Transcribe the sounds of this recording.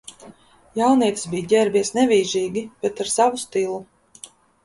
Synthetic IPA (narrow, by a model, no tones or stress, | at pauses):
jawniɛt̪sbijɟʲɛɾbiɛsnɛvʲiːʒiːɡʲib̥ɛt̪aɾsavust̪ilˠu